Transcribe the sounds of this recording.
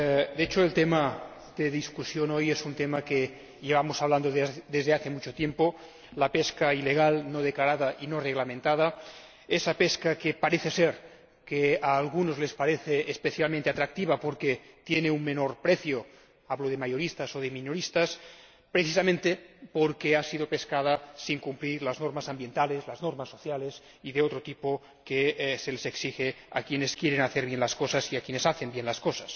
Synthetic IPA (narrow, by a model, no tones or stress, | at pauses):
d̪eet͡ʃoelt̪ema | ðeðiskusjonojesunt̪emake | ʎeβ̞amosaβland̪oðd̪ezðeaθemut͡ʃot̪jempo | lapeskaileɣ̞alnoð̞eklaɾaðaʔinoreɣlamẽnt̪að̞a | esapeskakepaɾeθeseɾ | keaːlɣunozlespaɾeθeːspeθjalmẽnt̪eat̪ɾak̚t̪iβapoɾket̪jeneunmenoɾpɾeθjo | aβloðemajoɾist̪asoðeminoɾist̪as | pɾeθisamẽnt̪epoɾkeasiðopeskað̞asiŋkumpliɾlaznoɾmasambje̞nt̪alezlaznoɾmasːoθjales | iðeot̪ɾot̪ipo | keseleseksixe | a̰kjeneskjeɾenaθeɾβjenlaskosasiakjenesaθembjenlaskosḁs